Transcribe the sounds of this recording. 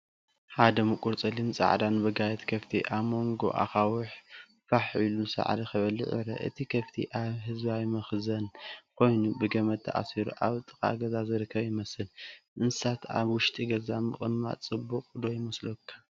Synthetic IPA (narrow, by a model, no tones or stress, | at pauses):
ħad̪ɐmɨkʼuɾt͡sʼɨlint͡sʼa̰ʕd̪anbɨɡajɛt̪kʰɐft̪ʰiʔaβmo̞ŋɡo̞̰ʔa̰xawʊħ | faħilusa̰ʕd̪ixɨβɐlɨ̰ʕɨ̰ɾɐ̰ʔɨ̰t̪ʰikʰɐft̪ʰḭʔaβɦɨzbajmɐxzɐnkʰo̞jnubɨɡɐmɐd̪t̪ʰa̰ʔa̰siɾuʔaβt̪ʼɨkʼa̰ɡɐzazɨɾɨkʰːɐβjɪmɐsɨlʔɨnsat̪ʰaβwʊʃt̪ʼiɡɐzamɨχʼɨmːa̰t͡sʼɨbːuqʼd̪ojɪmɐslokʰːḁ